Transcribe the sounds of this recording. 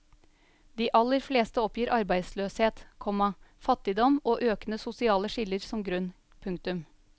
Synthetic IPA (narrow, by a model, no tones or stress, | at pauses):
d̪̥iːʔɑlːəɾfleːst̪əɔpjiːɾʔɑɾbæɪd̪sløːsheːt̪kʰɔmɑfɑt̪ːɪd̪ɔmoːʔøːkənəsʊsɪɑːləʂɪlːəɾsɔmɡɾʉn | pʰʉŋk̚t̪ʉm